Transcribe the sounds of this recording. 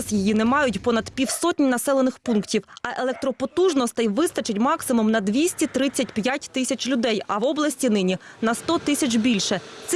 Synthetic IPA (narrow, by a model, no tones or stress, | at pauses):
sjijinɛmɑjʊtʲpɔnɐd̪pʲiwsɔtʲnʲnɐsɛlˠenɪxpunktʲiwɐʔelˠɛk̚t̪ɾɔpɔt̪uʒnɔst̪ɪjʋɪst̪ɐt͡ʃɪtʲmɑksɪmʊmnɐd̪ʋʲisʲtʲit̪ɾɪt͡sʲːɐtʲpjatʲt̪ɪsʲɐt͡ʃʲlʲʊd̪ɛjɐʋɔblˠɐsʲtʲinɪnʲinɐst̪ɔt̪ɪsʲɐt͡ʃbʲilʲʃɛs